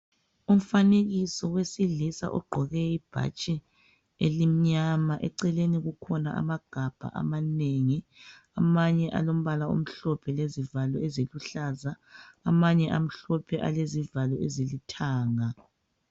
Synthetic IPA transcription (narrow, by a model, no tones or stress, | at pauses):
um̩faneɣisɔwesiɮisa̰ʔɔ̰ɡ͡ǃʱɔɣɛib̥ʱa̰t͡ʃʼɛ | elim̩ɲamaʔɛ̰ǀɛleniɣukʰɔnaʔa̰maɡ̥ʱab̥ʱa̰ʔa̰maneŋi | amaɲɛʔa̰lom̩βalao̰m̩ɬɔpʰɛlezivalɔeziluɬazaː | maɲɛʔam̩ɬɔpʰɛʔa̰lezivalɔezilitʰaːŋa